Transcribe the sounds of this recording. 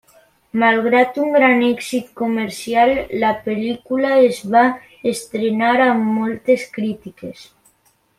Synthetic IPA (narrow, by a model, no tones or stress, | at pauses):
malɣ̞ɾat̪uŋɡɾanɛksit̪̚komeɾsjalːapelikulaezβa | est̪ɾenaɾammolt̪eskɾit̪ikes